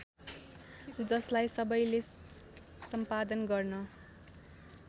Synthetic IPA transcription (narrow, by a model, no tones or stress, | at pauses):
d͡zʌslajsʌbʌjle | sʌmpad̪ʌnɡʌrnʌ